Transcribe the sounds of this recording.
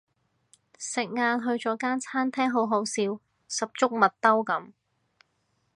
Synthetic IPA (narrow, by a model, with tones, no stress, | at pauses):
sɪ˨k̚ŋaː˧nɦɵ˧ɥt͡sɔː˨˥kaː˥nt͡sʰaː˥nt̪ʰɛː˥ŋɦo˨˥wɦo˨˧˥wsiː˧w | sɐ˨p̚t͡ʃʊ˥k̚mɐ˨t̚t̪ːɐ˥wkɐ˨˥m